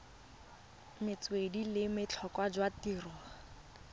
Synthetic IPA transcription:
mɪt͡swedilɪmɪt͡ɬʰɔkwad͡ʒwatiːrɔ

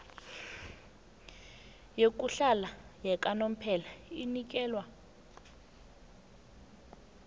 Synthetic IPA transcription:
jek̬ʼuɬalajɛkʼanom̩pʰɛlainik̬ʼɛːlwa

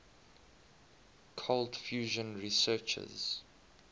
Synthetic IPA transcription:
kʰoltfjuːʒə̃nɹisɜːt͡ʃə̰z

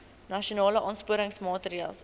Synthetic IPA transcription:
nɐʃionɑːləʔɑːnspuəɾəŋsmɑːtəɾiɑːlˠs

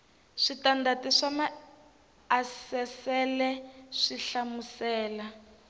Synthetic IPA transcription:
ʂitandatiʂamaː | sɛsɛlɛʂiɬamusɛːla

